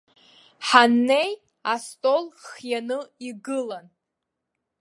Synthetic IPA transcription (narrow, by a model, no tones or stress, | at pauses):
ħanːe̞j | astʼo̞lχjanɨiɡɨlan